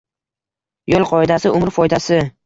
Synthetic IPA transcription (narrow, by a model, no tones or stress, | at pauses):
jolˠqʰɒɪd̪asɪʊmɾfɒjd̪asɪ